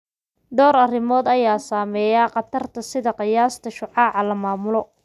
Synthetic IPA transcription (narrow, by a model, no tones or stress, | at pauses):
d̪ɔːɾɐrɪmɔːd̪ɐjaːsaːmɛːjaːqɑt̪ʰɐrt̪ʰɐsɪðɐqɪjaːst̪ʰɐʃʊʕɑːʕɑlɐmaːmʊlɔ